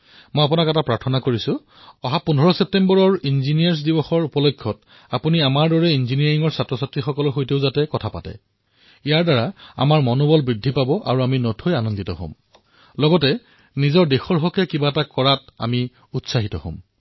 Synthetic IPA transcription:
mojap̬unakɛtapɹaɹtʰɔnakoɹisʊ | ɔɦapundʱɔɹɔsep̚tembɔɹɔɹinzinijaɹs̬dibɔxɔɹupɔlokʰːɔt | apuniamaɹdɔɹɛinziniaɹiŋɔɹsatɹɔsatɹixɔkɔlɔɹxojteʊzatɛkɔtʰapa̰tɛ̰ | ijaɹdaɹaa̰maɹmɔnɔbɔlbɹidʱːipabɔʔa̰ɹuaminɔtʰojanɔnditɔɦo̰m | lɔɡɔtɛ | nizɔɹdexɔɹɦɔkɛkibaɛtakɔɹata̰mi | utsaɦitɔho̰m

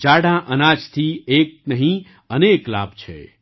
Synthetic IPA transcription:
t͡ʃaɽãʔənad͡ʒt̪ʰiek̚nəɦĩ | əneːkla̰bt͡ʃʰḛ

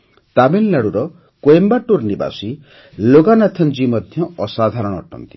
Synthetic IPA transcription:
t̪abillaɽuɾɔ | koembaʈuɾniba̰si | loɡanat̪ʰɔnd͡ʒimɔd̪ʱjɔɔsad̪ʱaɾɔɽ̃ɔɔʈʰɔ̰nt̪i̥

